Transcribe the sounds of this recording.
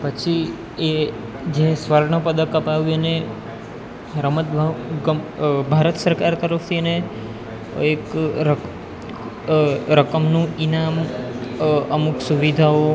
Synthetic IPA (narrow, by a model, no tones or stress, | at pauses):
pət͡ʃʰi | e | d͡ʒesʋəɾɳəpəd̪əkəpaʋjune | ɾəmət̪̚bʱaɡbʱaɾət̪səɾkaɾt̪əɾəft̪ʰiəne | ekɾə | ɾəkəmnũinam | əmuksuʋid̪ʱao